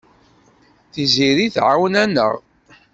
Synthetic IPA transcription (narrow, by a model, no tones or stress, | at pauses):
θiziɾiθʕawnænə̰ʁ